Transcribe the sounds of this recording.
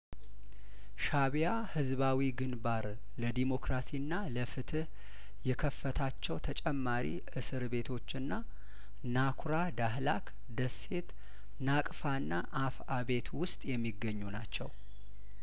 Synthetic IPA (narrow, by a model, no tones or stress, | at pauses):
ʃaβja | hɨzβawiɡɨnbaɾ | ləd̪imo̞kɾasinːaləfɨt̪ʰɨh | jɛkʰəfːət̪ʰat͡ʃːɛwt̪ʰət͡ʃʼɛmːaɾḭʔɨsɨɾβe̞t̪ʰo̞t͡ʃːɨnːa | nakʰɾad̪aɦlak | d̪əsːe̞t̪ | nakʼfanːaʔafaβe̞t̪ʰwʊst̪ʼjɛmːiɡːəɲːunat͡ʃːɛw